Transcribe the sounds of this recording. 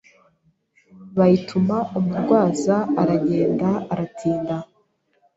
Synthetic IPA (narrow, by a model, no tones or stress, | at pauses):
βajitʰumaumuɾɡwaːzaaɾaɟe̞ːndaaɾatʰiːnda